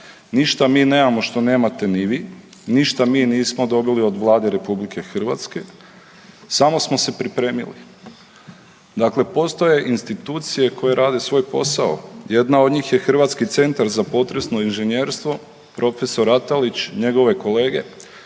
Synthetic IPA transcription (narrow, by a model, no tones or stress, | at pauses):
niʃt̪amiːne̞ːmamo̞ʃt̪o̞ne̞ːmat̪e̞niʋiː | niʃt̪amiːniːsmod̪o̞bilio̞d̪ʋlˠaːd̪eɾe̞publike̞xr̩ʋa̰t̪ske̞ | samo̞smo̞se̞pɾipɾe̞ːmḭlḭ | d̪akle̞po̞st̪o̞je̞ʔinst̪it̪uːt̪sije̞ko̞je̞ɾʔaːd̪esʋo̞ːjpo̞sao̰je̞d̪nao̞d̪ɲiːxje̞xr̩ʋat̪skit̪se̞nt̪aɾzapo̞t̪ɾe̞sno̞inʒeɲjeːɾst̪ʋo̞ | pɾʔo̞fe̞so̞ɾat̪alit͡ɕɲe̞ɡo̞ʋe̞ko̞le̞ːɡe̞